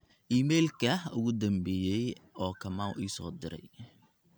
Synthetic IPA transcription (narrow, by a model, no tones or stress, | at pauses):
ʔiːmɛːlkʰɐhʊɣʊd̪ɐmbɛːjɛjɔːkʰɐmaːwʔiːsɔ̰ːd̪ɪɾɛ̰j